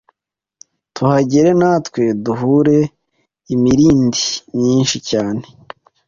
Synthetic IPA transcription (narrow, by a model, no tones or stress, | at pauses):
tʰuhaɟeɾe̞naːtwe̞duɦuɾe̞ | imiɾiːndimɲiːnʃicaːne